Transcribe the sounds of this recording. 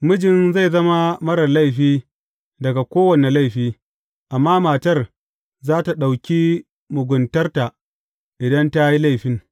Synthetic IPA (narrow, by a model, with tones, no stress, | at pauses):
mʊ˦d͡ʒɪ˨nza˦˨jzɐ˦ma˦mɐ˦ɽɐ˨la˦˨jɸiː˦ | dɐ˨ɡa˨kʷoː˦wɐ˨ne˨la˦jɸiː˦ | ʔa˨mːaː˦maː˨tɐ˦r | zaː˦ta˨ɗa˨wkʲi˦ | mʊ˨ɡʷʊ˨ntɐ˦rta˨ | ʔɪ˨dɐ˦nta˦ji˦la˦˨jɸɪ˦ŋ